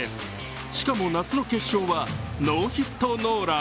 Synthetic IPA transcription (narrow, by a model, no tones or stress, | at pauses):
ɕi̥kamo̞nat͡sɨno̞ke̞ɕːo̞ːβano̞ːçit̪ːo̞no̞ːɾa